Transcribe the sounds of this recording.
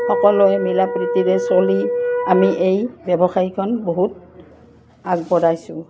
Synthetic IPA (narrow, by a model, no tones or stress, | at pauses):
xɔkɔlɔjɛmilapɹitiɹɛsoliamiʔejbɛbɔxaɹikʰɔnboɦut̚ | aɡ̚bɔɹajsʊ̃